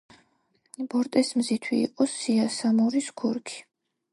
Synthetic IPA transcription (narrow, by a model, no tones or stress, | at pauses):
b̥ɔɾt̪ʼɛsmzit̪ʰwḭːqʼɔsiasamɔɾisɡʰuɾkʰi̥